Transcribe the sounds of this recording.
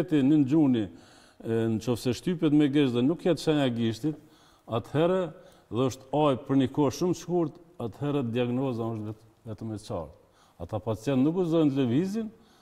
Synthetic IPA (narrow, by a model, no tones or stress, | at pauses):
t̪inənd͡ʑuni | nt͡ʃɔfsɛʃt̪ypɛt̪mɛɡɛʃðɛnukːjɛt̪ʃɛɲaɡiʃt̪it̪ | at̪hɛɾɛ | ðɛɔʃt̪ajpəɾnikɔʃumʃkuɾt̪at̪hɛɾɛd̪iaɡnɔzaɔʃt̪vɛt̪ | vɛt̪əmɛt͡ʃa̰ɾt̪ | at̪apat͡sjɛnt̪nukuzɔnt̪ləvizin